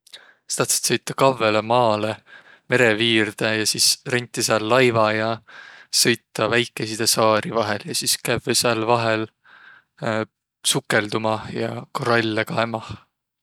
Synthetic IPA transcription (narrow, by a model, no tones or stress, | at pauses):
st̪ɑt̪se̥t̪sɤjt̪ːˑɑkɑvːe̞lemɑːle | me̞ɾe̞viːrd̪̥ɑjɑsisrenʲt̪ːˑisɑːlːɑjvɑjɑsɤ̞jt̪ːˑɑvæjkːˑe̞sid̪̥esɑːɾivɑɦe̞ljɑsiskævsɑlvɑɦe̞l | sukːˑe̞ld̪umɑjɑkoɾɑlʲːekɑemɑ